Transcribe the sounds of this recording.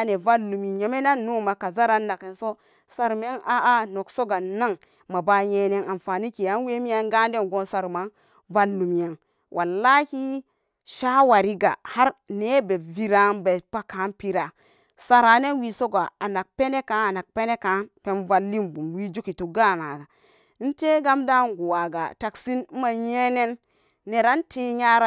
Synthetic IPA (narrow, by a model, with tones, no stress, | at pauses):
a˨ne˨va˦lːu˨mi˨je˨me˦na˦nːu˦˨ma˨ka˨za˦ɾa˨nːa˨ke˨nso˦ | sa˨ɾme˦na˦a˦no˨kso˦ɡa˨na˦ŋ | ma˨ba˨˦je˨ne˨ŋa˨nfa˨ni˦ki˨ja˨˦n˦we˦mi˦a˦ŋɡa˦n˦de˦nɡo˦nsa˨ɾma˨˦ŋ | va˦lːu˨m˨ja˨ŋ | wʔa˨lːa˦ki˦ | ʃa˦wa˨ɾi˦ɡa̰˨ha˦ɾne˦be˨vi˦ɾa˦nbe˨pa˦ka˨˦npi˦ɾa˨ | sa˨ɾa˨˦ne˦nwi˨so˦ɡa˨a˨na˨k̚pe˦ne˦ka˦a˨na˨k̚pe˦ne˦ka˨˦npe˦nva˨lːi˦mbu˨mwi˦d͡ʒu˦ki˨tu˨ɡa˦˨na˨ɡa˨˦ | n̩˦te˦ɡa˦mda˦ŋ˨ɡu˨wa˨ɡa̰˨ta˨ksi˦n̩˦ma˨je˦ne˦nː | e˨ɾa˦nti˦ɲa˦ɾa˦